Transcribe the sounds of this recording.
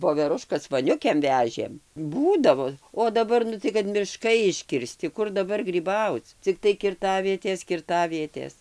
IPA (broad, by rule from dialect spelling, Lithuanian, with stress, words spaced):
ʋoːʋʲɛˈrʊʃkɐs ʋoːˈnʲʊkʲeːm ˈʋʲæːʒʲeːm ˈbuːdɐʋoː oː dɐˈbɐr ˈnʊ tɐɪ kɐt mʲɪˈʃkɐɪ ɪʃʲkʲɪrʲˈsʲtʲɪ ˈkʊr dɐˈbɐr ɡrʲiːˈbɐʊt͡s t͡sʲɪkˈtɐɪ kʲɪrˈtɑːʋʲiɛtʲeːs kʲɪrˈtɑːʋʲiɛtʲeːs